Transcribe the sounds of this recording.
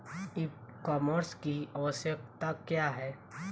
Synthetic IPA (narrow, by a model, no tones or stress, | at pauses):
ikɔːməɾskiəʋəsjək̚t̪akjaɦɛː